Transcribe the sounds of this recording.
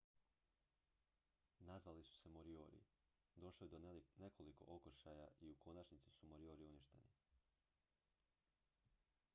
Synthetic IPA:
nazʋalisu̥se̞moɾio̞ːɾḭ | d̪o̞ʃliud̪one̞kʰo̞liko̞̰ʔokoʃaːjaiukʰo̞nat͡ʃnit̪si̥sumo̞ɾio̞ːɾiunjeʃt̪ḛni

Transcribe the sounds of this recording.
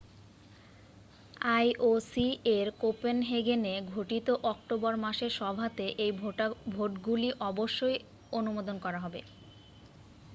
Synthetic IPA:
ajʔosieɾkopenɦeɡeneɡʱoʈit̪oʔɔk̚ʈobɔɾmaʃeɾʃɔbʱat̪eʔejbʱoʈɡuliʔɔboʃːoj | onumod̪onkɔɾaɦɔbḛ

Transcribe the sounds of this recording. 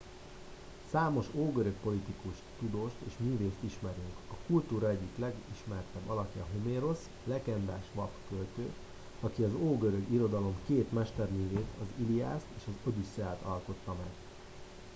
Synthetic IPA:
saːmo̞ʃoːɡøɾø̞kpo̞lit̪ikuʃt̪ud̪oːʃt̪eːʃmyːveːst̪iʃmɛɾyŋkɒkult̪uːɾɒɛɟːiklɛɡiʃmɛrt̪ɛbːɒlɒkjɒ̰ɦomeːɾo̞s | lɛkɛnd̪aːʃʋɒpkølt̪øː | ɒkiɒzoːɡøɾøɡiɾo̞d̪ɒlo̞mkeːt̪mɛʃt̪ɛrmyːveːt̪ʰɒzilia̰ːst̪eːʃɒzøbysɛlt̪ɒlko̞t̪ːɒmɛɡ̥

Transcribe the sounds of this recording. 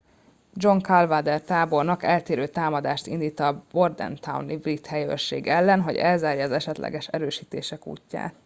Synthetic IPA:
d͡ʒo̞ŋkalvaːd̪ɛrt̪aːbo̞rnɒkɛlt̪eːɾøːt̪aːmɒd̪aːʃt̪ind̪iːt̪ːɒːbo̞rd̪ɛ̰nt̪ʰawnibrit̪hɛjø̰ʃːḛːɡɛlːɛnɦo̞ɟɛlzaːrjɒɒzɛʃɛt̪lʔɛ̰ɡɛʃɾøːʃiːt̪ḛːʃɛkṵːcːa̰ːt̪

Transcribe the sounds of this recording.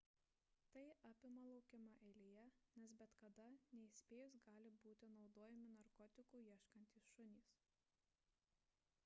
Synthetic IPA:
t̪ɐɪʔɑːpʲɪmɐlˠɒʊkʲɪmɐʔɛɪlʲijɛnʲɛsbʲɛt̪kɐd̪ɐnʲɛisʲpʲeːjʊs̬ɡɑːlʲɪbuːt̪ʲɪnɒʊd̪oːjɛmʲɪnɐɾkɔːt̪ʲɪkuːjiɛʃkɐnʲt̪ʲiːsʃʊnʲiːs

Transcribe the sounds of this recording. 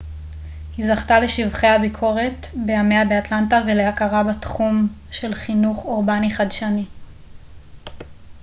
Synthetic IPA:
hizaχtale̞ʃivχe̞jhabikʰo̞ʁe̞tbe̞jame̞jabeatlantavelehakaʁabatχum | ʃe̞lχinuχoʁbaniχadʃani

